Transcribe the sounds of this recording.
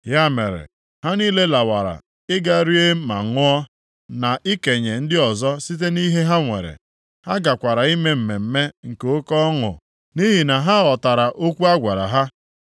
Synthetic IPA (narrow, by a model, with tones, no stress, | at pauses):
ja˦mḛ˨ɾḛ˨ | ha˦niː˦le˦la˨wa˨ɾa̰˨ | ɪ˦ɡa˦ɾi˦e˦ma̰˨ŋʊ˦ɔ˦ | na˨ʔɪ˦ke˨ɲe˨n̩˦dɪ˦ɔ˨zɔ˦si˦t̬e˦ni˦ɦe˦ɦa˦ŋʷḛ˨ɾḛ˨ | ha˦ɡa˨kʷa˨ɾa˨i˦me˦m̩˨me˨m̩˦me˦ŋ̩˨ke˨o˦kɔ˦ŋʊ̰˨ | ni˦ɦi˨na˨ɦa˦ɔ˨ta˨ɾa˨ʔo˦kʷu˦a˦ɡʷa˨ɾa̰˨ɦa˦